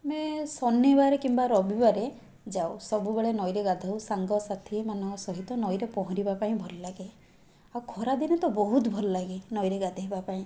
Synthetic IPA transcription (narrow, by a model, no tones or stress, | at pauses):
mesɔnebaɾekimbaɾɔbibaɾe | d͡ʒawsɔbubeɭenɔjɾeɡad̪ʱawsaŋɡɔsat̪ʰimanɔ̃ŋkɔsɔɦit̪ɔnɔjɾepɔɦɔ̃ɾibapaĩbʱɔlɔlaɡe | awkʰɔɾad̪inet̪ɔbɔɦut̪bʱɔlɔlaɡenɔjɾeɡad̪ʱaɦibapaĩ